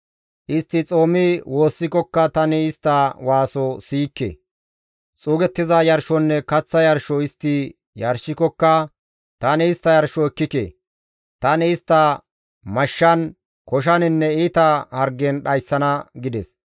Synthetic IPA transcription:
ʔɪst̪ːɪt͡sʼo̞ːmɪwʔo̞ːsːɪkɔkːɐt̪ɐnɪɪst̪ːɐwaːsɔsiːkːḛ | t͡sʼuːɡɛt̪ːɪzɐjɐɾʃɔnːɛkɐt͡sːɐjɐɾʃɔɪst̪ːɪ | jɐɾʃɪkɔkːɐ | t̪ɐnɪɪst̪ːɐjɐɾʃɔɛkːɪkḛ | t̪ɐnɪɪst̪ːɐ | mɐʃːɐn | kɔʃ̬ɐnɪnːɛiːt̪ɐhɐɾɡɛnɗɐjsːɐnɐɡɪd̪ɛs

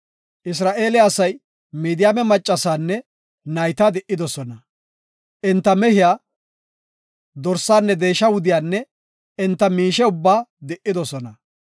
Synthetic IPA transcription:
ʔɪs̬ɾaːʔe̞ːlɪɐsɐj | miːd̪ɪjaːmɛmɐt͡ʃʼːɐsaːnːɛ | nɐjt̪aːd̪ɛʔːɪd̪ɔsɔnɐ | ʔɪnt̪ːɐmɛhɪjaː | d̪ɔɾsaːnːɛd̪e̞ːʃːɐwʊd̪ɪjaːnːɛ | ɪnt̪ːɐmiːʃɛʊbːaːd̪ɛʔːɪd̪ɔsɔnɐ

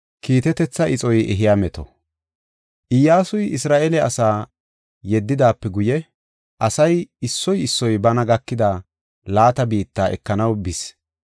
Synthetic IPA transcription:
kiːt̪ɛt̪ɛt͡sːɐʔɪt͡sʼɔjɛ̰ɦɪjaːmɛt̪ɔ̰ | ʔɪjːaːsʊjɪsɾaːʔɛlɛɐsaː | jɛd̪ːɪd̪aːpːɛɡʊjɛ | ʔɐsɐjɪsːɔjɪsːɔjbɐnɐɡɐkːɪd̪aː | laːt̪ɐbiːt̪ːaːɛ̰kːɐnɐwbɪs

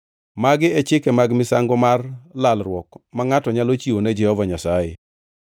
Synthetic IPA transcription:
maɡɪɛt͡ʃɪkɛmaɡmɪsaŋɡɔmarlalɾwɔkmaŋatɔɲalot͡ʃioned͡ʒɛhɔvaɲasaje

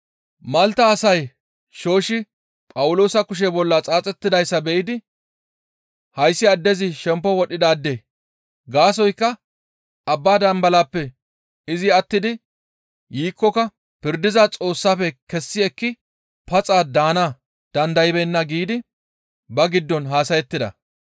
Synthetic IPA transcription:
mɐlt̪ɐːsɐj | ʃo̞ːʃɪ | pʼɐwʊlo̞ːsɐkʊʃ̬ɛbɔlːɐt͡sʼaːt͡sʼɛt̪ːɪd̪ɐjsːɐbɛʔɪd̪ɪ | hɐjsːɪɐd̪ːɛzɪʃɛmpːɔwɔɗɪd̪aːd̪ːeː | ɡaːs̬ɔjkːɐ | ɐbːaːd̪ɐmbɐlaːpːɛ | ɪzɪɐt̪ːɪd̪ɪ | jiːkːɔkɐ | pɪɾd̪ɪzɐt͡sʼo̞ːsːaːfɛkɛsːɪɛkːɪ | pɐt͡sʼaːd̪aːna | d̪̥ɐnd̪ɐjɪbɛnːɐɡiːd̪ɪ | bɐɡɪd̪ːɔnɦaːsɐjɛt̪ːɪd̪ɐ̰

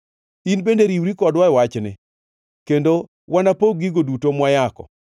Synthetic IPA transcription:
inbendeɾiwɾikɔdwaɪwat͡ʃnɪ̰ | kendo | wanapoɡiɡodutomwajakɔ̰

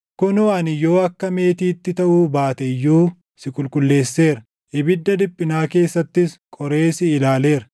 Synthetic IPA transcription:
kʊnoɐnɪjo̞ːɐkːɐme̞ːt̪iːt̪ːɪt̪ɐʔuːbaːt̪ɛɪjːuː | sɪkʼʊlkʼʊlːe̞ːsːe̞ːɾɐ | ʔɪbɪd̪ːɐd̪ɪpʼːɪnaːke̞ːsːɐt̪ːɪskʼɔɾe̞ːsɪːlaːle̞ːɾɐ

